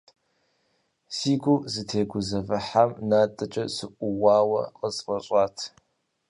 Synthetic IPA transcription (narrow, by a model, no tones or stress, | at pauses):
siːɡʷʊzɨtʰeːɡʷʊzɐvɐħamnaːtʼɐt͡ʃʼɐsɨʔʷʼʊwɑːwɐ̰qəzqʼɐɕʼaːtʰ